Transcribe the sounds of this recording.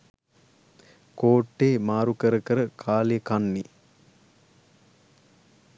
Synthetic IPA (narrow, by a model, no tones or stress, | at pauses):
koːʈːeːmaːɾukəɾəkəɾəkʰaːlejəkanːi